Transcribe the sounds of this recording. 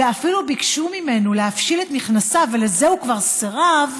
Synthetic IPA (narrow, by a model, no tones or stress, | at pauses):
eafilubikʃumime̞nuleafʃilet̪niχnasave̞lezehukvaʁseʁav